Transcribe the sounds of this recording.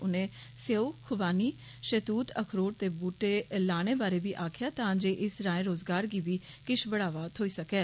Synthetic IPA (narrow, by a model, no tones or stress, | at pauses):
ʊnẽːseːoːkʰʊbaːniː | ʃət̪uːt̪ʰəkʰɾoːɾt̪eːbuːʈeːlaːɽ̃eːbaːɾeːʋiːʔaːkʰɪjaːt̪ãːd͡ʒeːʔɪsɾãːẽːɾoːzɡaːɾɡiːbiːkɪʃbəɽaːʋaːt̪ʰoːiːsəkɛː